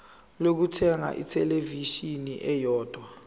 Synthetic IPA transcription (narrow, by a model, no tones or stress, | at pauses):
lok̬utʰɛŋa̰ʔḭtʰɛleviʃiniʔɛjɔːd̥ʱwa